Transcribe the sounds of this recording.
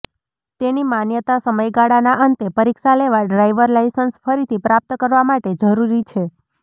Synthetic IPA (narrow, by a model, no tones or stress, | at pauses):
t̪enimanjət̪asəməjɡaɽanaʔənt̪epəɾiksaleʋaɖɾajʋəɾlajsənsfʰəɾit̪ʰipɾap̚t̪əkəɾʋamaʈed͡ʒəɾuɾit͡ʃʰe